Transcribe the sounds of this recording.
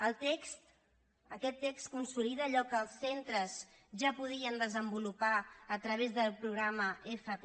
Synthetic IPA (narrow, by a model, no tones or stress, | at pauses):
əlˠt̪ekst̪ | əkɛt̪ːekst̪̚kunsuliðəʎɔkəlˠsːent̪ɾəz | ʒapuðiənd̪əzəmbulupaət̪ɾəβ̞ezðəlˠpɾuɣɾaməefət